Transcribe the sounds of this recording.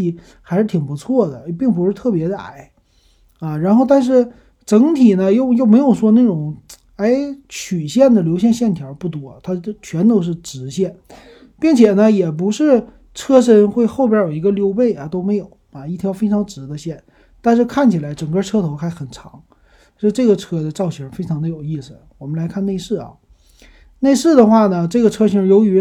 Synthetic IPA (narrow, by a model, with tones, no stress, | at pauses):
i˥˩ | xa˧˥ɪʂɻ̩˥˩t̪ʰi˨˩ŋpu˧˥t͡sʰwɔ˥˩d̪ə˩pi˥˩ŋp̬u˧˥ʂɻ̩˥˧t̪ʰɤ˥˩pjɛ˧˥d̪ə˧a̰˥˩ɪ | a˧ɻa˧˥nxo˥˧ʊt̪a˥˧nʂ̬ɻ̩˥˩ | ʈ͡ʂɤ˧˥ŋt̪ʰi˨˩nə˦jo˥˩ʊjo˥˩ʊme˧˥ɪjo˨˩ʊʂwɔ˥na˥˩ʈ͡ʂʊ˨˩˦ŋ | a˧˥ɪt͡ɕʰy˨˩ɕjɛ˥˩nd̪ə˩ljo˧˥ʊɕ̬jɛ˥˧nɕjɛ˥˩nt̪ʰjɑ˧˥pu˥˩t̪wɔ˧˥t̪ʰa˥˧t͡ɕʰɥɛ˧˥nt̪o˧˥ʊʂ̬ɻ̩˥˩ʈ͡ʂɻ̩˧˥ɕjɛ˥˩n | pi˥˩ŋt͡ɕʰjɛ˨˩nə˦jɛ˨˩p̬u˧˥ʂɻ̩˥˩ | ʈ͡ʂʰɤ˥ʂ̬ə˧˥nxwe˥˧ɪxo˥˩ʊpjjo˨˩ʊi˧˥ɡə˧ljo˧˥ʊpe˥˩ɪɐ˩t̪o˥ʊme˧˥ɪjo˨˩˦ʊɐ˨˩i˥˩t̪ʰjɑ˧˥ʊfe˥ɪʈ͡ʂʰɑ˧˥ŋʈ͡ʂɻ̩˧˥d̪ə˧ɕjɛ˥˩n | t̪a˥˧nʂ̬ɻ̩˥˧kʰa˥˩nt͡ɕʰi˨˩la˧˥ɪʈ͡ʂɤ˨˩ŋkə˥˧ʈ͡ʂʰɤ˥t̪ʰo˧˥ʊxa˧˥ɪxə˨˩nʈ͡ʂʰɑ̰˧˥ŋ˧˥˧ | ʈ͡ʂɤ˥˩ɡə˩ʈ͡ʂʰɤ˥d̪ə˧ʈ͡ʂɑ˥˩ʊɕʰɛ˧˥fe˥ɪʈ͡ʂʰɑ˧˥ŋd̪ə˧jo˨˩ʊi˥˩sɹ̩˨˩wɔ˨˩mə˦nla˧˥ɪkʰa˥˧ne˥˧ɪʂɻ̩˥˩ɐ̰˨˩ | ne˥˧ɪʂɻ̩˥˩d̪ə˩xwa˥˩nə˩ʈ͡ʂɤ˥˩ɡə˩ʈ͡ʂʰɤ˥ɕʰi˧˥jo˧˥ʊy˧˥